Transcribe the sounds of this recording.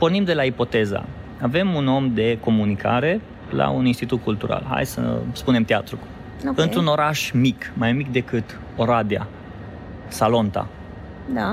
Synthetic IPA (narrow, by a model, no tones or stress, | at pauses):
po̞rnimd̪e̞laipo̞t̪e̞za̰ | ave̞muno̞md̪e̞ko̞munikʰa̰ɾe̞ | la̰uninst̪it̪ut̪̚kult̪uɾa̰lɦa̰jsə̰spune̞mt̪eat̪ɾuku | ɨntt̪ɾuno̞ɾaʃmikmajmikd̪e̞kɨt̪ | o̞ɾad̪ea̰ | salo̞nt̪a̰ | d̪a